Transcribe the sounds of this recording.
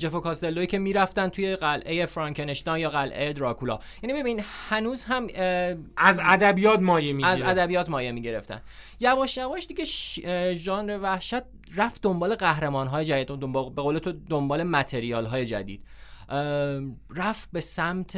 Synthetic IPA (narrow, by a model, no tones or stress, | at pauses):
d͡ʒe̞fokʰɒːst̪e̞lːoiːcʰe̞miːɾæft̪ænt̪ʰujeɢælʔe̞je̞fɾɒːŋcʰene̞ʃt̪ɒːnjɒːɣælʔejed̪ɾɒkʰulɒ̰jænibe̞binihænuːzhæm | æzæd̪æbijɒːt̪mɒːjemiæzæd̪æbijɒːt̪mɒːjemiːɟe̞ɾe̞ft̪æ̰n | jævɒːʃjævɒːʃd̪iɟeʃʒɒːnɾevæhʃæt̪̚ | ræfd̪o̞mbɒːleɣæhɾe̞mɒːnɦɒːje̞d͡ʒæd̪iːd̪d̪obbeɣoːle̞t̪ʰod̪ombɒːle̞mæt̪ʰe̞ɾiɒːlɦɒːje̞d͡ʒæ̰d̪ḭːd̥̪̚ | ræfbe̞sæmt̪ʰ